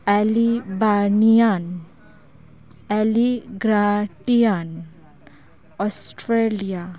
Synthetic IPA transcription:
ɛlibanijan | ɛliɡɾaʈijan | ɔsʈɾelija

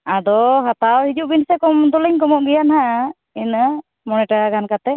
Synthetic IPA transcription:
ad̪ɔɦat̪awhid͡ʒuʔbinsɛkɔmd̪ɔliɲkɔmɔʔɡɛjanɦaʔ | inə | mɔnɛʈaɡankat̪ɛ

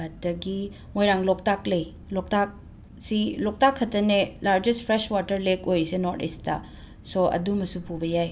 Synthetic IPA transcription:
ɐdɐɡi | mojɾaŋlɔk̚taklɐj | lok̚tak̚ | silɔk̚takʰːɐtɐnelaɾd͡ʒestpʰɾeswatɐɾlekojsenoɾtḭstɐ̰ | soɐ̰dumɐsupubɐjaj

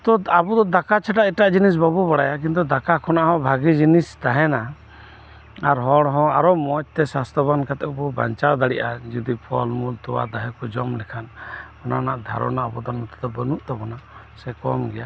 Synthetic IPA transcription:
t̪ɔabud̪ɔd̪akat͡ʃʰaʈaʔɛʈaʔd͡ʒinis̬babubaɽajak̬int̪̬ud̪akakʰɔnaʔɦɔ̃bʱaɡid͡ʒinist̪aɦɛna | aɾɦɔɽɦɔ̃aɾɔmɔt͡ʃ̚t̪ɛsast̪ʰɔbankat̪ɛʔbɔba̰ɲt͡ʃawd̪aɽiʔad͡ʒud̪ipʰɔlmult̪ɔwa̰d̪aɦɛkɔd͡ʒɔmlɛkʰanɔna̰naʔd̪ʱa̰ɾɔ̰naɔpɔd̪ɔɾmɔt̪ad̪ɔbənuʔt̪ɔbɔna | sɛkɔmɡɛja

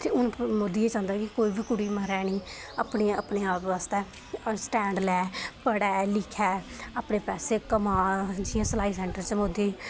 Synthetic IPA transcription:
t̪eːʊnmoːd̪iːeːt͡ʃãːnd̪aːkɪkoːiːbʱiːkʊɽiːməɾɛːniːəpneːə̰pneːaːpʋaːst̪ɛː | sʈɛ̃ːɳɖlɛːpəɽɛːlɪkʰːɛːəːpɳeːpɛːseːkəmãːd͡ʒɪjãːsəlaːiːsɛ̃ːɳʈəɾt͡ʃmoːd̪eː

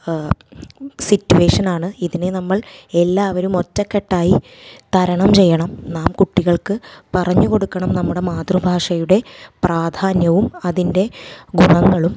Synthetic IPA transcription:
sitːue̞ːʂɐnaːɳɨiðinenɐmːɐɭe̞lːaːʋɐɾumo̞tːɐkːeʈːaːji | t̪ɐɾɐɳɐmt͡ɕe̞jːɐɳɐmnaːmkuʈːiɣɐɭkɨpɐrɐɲːuko̞ɽukːɐɳɐmnɐmːuɽe̞maːd̪rubʱaːʂɐjuɽe̞praːd̪ʱaːnjɐʋumɐðinde̞ɡuɳɐŋːɐɭum

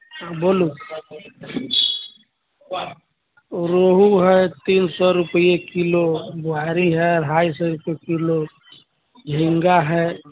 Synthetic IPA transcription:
aboːlu | ɾoɦuɦɛt̪iːnsɔɾʊpjekilobʊɦaɾiɦɛɔɾɦaːjsɔɾupekilo | d͡ʒʱĩŋɡaɦɛ

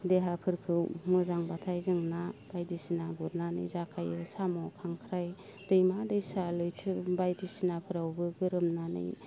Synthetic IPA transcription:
deɦapʰɯɾkʰɯwmɯzaŋbatʰajzɯŋnab̥ajdisinaɡuɾnanɯ̰jzakʰajɯsamɔkʰaŋkʰɾajd̥ɯjmadɯjsalɯjtʰɯbajdisinapʰɯɾawbɯɡɯɾɯmnanɯ̰j

